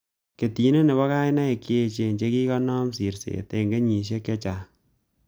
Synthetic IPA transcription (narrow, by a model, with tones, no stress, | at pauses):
ke˨ti˨˦ne˦ne˨βɔ˦ka˦ɪ˦na˦i˨ki˦e˧t͡ʃe˨ɲt͡ʃe˦ki˦kɔ˦nɔ˦msi˨ɾsḛ˨te˨ŋɡe˦ɲi˨ʃ̬e˦kːe˦t͡ʃa˨